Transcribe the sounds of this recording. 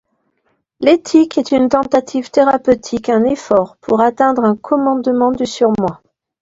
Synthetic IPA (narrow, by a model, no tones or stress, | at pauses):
let̪ʰikɛt̪ynt̪ɑ̃t̪at̪ʰivt̪eʁapøt̪ʰikɛ̃nefɔʁpʰuʁat̪ɛ̃d̪ʁɛ̃kʰɔmɑ̃d̪mɑ̃d̪ysyʁmwa